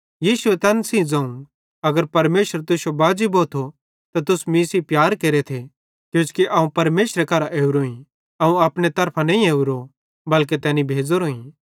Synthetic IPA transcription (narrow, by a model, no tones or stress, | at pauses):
jiːsuet̪ɛːnsĩd͡zɐ̃ːũ | ɐɡəɾpɐɾmeːʃəɾt̪ʊsjobaːd͡ʒiboːt̪ʰo | t̪at̪ʊsmĩːsipjaːɾkeːɾet̪ʰe | kjũːt͡ʃkiʔɐũpɐɾmeːsɾekɐɾaʔeːuɾoːĩ | ɐũaːpɽ̃et̪ɐɾpʰãnɐ̃ĩeːuɾo | bɐlk̬et̪ɛːnibʱeːd͡zoɾoːĩ